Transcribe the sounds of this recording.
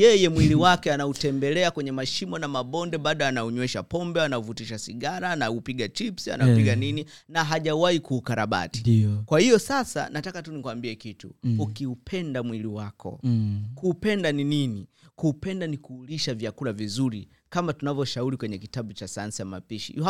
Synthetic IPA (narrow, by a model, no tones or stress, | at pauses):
jɛjɛmwiliwakɛanautɛmbɛlɛakwɛɲɛmaʃimɔnamaɓɔndɛɓaɗɔanauɲwɛʃa̰pɔmbɛanauvutiʃasiɠaɾaːnaupiɡat͡ʃipsia̰napiɡanini | naɦaʄawaikuːkaɾaɓa̰ti̥kwahijɔsasa̰natakatunikuwambiɛkitṵukiupʰɛndamwiliwakʰɔ̰kuːpɛndaninini | kuːpɛndanikuːliʃavjakulavizuɾḭ | kamatunavjɔʃauɾikwɛɲɛkitaɓut͡ʃasajansiama̰piʃḭ